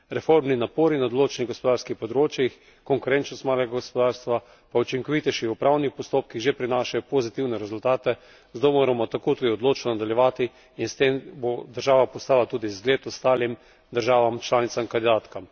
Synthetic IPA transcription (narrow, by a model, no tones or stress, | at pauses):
ɾɛfoɾmninapoːɾinad̪oloːt͡ʃɛniɣɡospɔd̪aːɾskixpɔd̪ɾoːt͡ʃjix | kɔŋkʊɾɛnt͡ʃnɔst̪maːlɛɡaɡospɔd̪aːɾst̪ʋa | paut͡ʃiŋkɔʋit̪ɛʃixupɾaːwnixpɔst̪oːp̚kiɣʒepɾinaːʃajɔpozit̪iwnɛɾɛzʊlt̪aːt̪ɛ | zt̪omoːɾamɔt̪akoːt̪uːd̪iɔd̪loːt͡ʃnɔnad̪aljɛʋaːt̪iː | nst̪embod̪əɾʒaːʋapɔst̪aːlat̪uːd̪izɡleːt̪ɔst̪aːlim | d̪əɾʒaːʋamt͡ʃlaːnit̪samkand̪id̪aːt̪kam